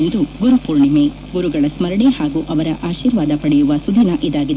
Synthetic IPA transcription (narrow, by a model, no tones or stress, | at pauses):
nd̪uɡuɾupuːɾɳime | ɡuɾuɡɐɭɐsmɐɾɐɳehaːɡuʔɐʋɐɾɐʔaːʃiːɾʋaːd̪ɐpɐɽɛjuʋɐsud̪ʱinɐʔid̪aːɡid̪e